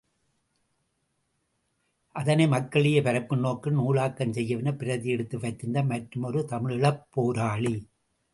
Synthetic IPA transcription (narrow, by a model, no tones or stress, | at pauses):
ʔɐðɐnɐɪmɐkːɐɭɪjɐpɐɾɐpːɯnoːkːɯnuːɭaːkːɐnsɛjːɐʋɪnɐpɪɾɐðɪjɛɽɯt̪ːɯʋɐtːɯnd̪ɐmɐʈɾɯmɔɾɯt̪ɐmɪɻɪɭɐpːoːɾaːɭi